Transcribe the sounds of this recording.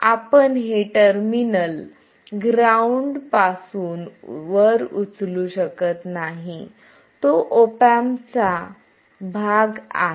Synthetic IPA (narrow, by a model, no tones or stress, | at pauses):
apəɳɦeʈəɾminəl | ɡɾauɳɖpasuːnʋəɾut͡sluɕəkət̪naɦi | t̪oʔopamt͡sa | bʱaɡa̰ɦ